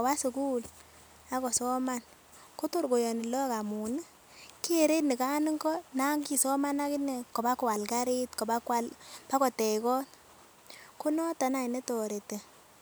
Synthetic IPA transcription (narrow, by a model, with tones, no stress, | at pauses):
ɔ˨ba˦su˨ku˦l | a˦kɔ˨sɔ˦ma˦n | ko˦to˦rɡo˨jɔ˨ni˨lɔ˦ka˨mu˨nɨ˦ | ke˨ɾe˦tni˨ka˦ni˦ŋɡɔ˦na˦ŋɡi˦sɔ˦ma˦na˦kɪ˦nɛ˨kɔ˨ba˦kɔ˦a˨lka˦ɾe˦tkɔ˨ba˦kwa˦lpa˦kɔ˨tɛ˨ikɔ˦n | ko˦nɔ˦ta˨na˨i˨nɛ˦tɔ˨ɾe˨te˨